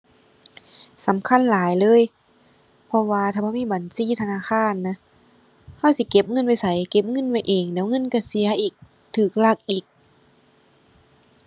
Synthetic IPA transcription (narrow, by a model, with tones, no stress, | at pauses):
sa˨˦mkʰa˧˥˨nlaː˨˦jlɤː˧˥˨j | pʰɔ˧waː˧t̪ʰaː˧˩bʰɔ˧˩˨miː˧˥˨ba˨˦nsiː˧˥˨t̪ʰa˧naː˧˨xʰaː˧˥˨nːa˧˥ | ha˧˥˨wsi˧˦ke˧˦p̚ŋɤ˧˥˨nwa˧˩jsa˨˦jke˧˦p̚ŋɤ˧˥˨nwa˧˩jʔeː˨˩ŋdɛː˨˦wŋɤ˧˨nka˧˩si˨˦ɐʔiː˨˩k̚ | t̪ʰɯː˨˩k̚la˧˩k̚ʔiː˨˩k̚